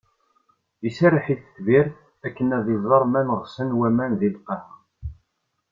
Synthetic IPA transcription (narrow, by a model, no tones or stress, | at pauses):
isæɾəħiθə̥θviɾ | ækːənæðizzˤɑɾˤmænəʁsənwæmænðilqɑh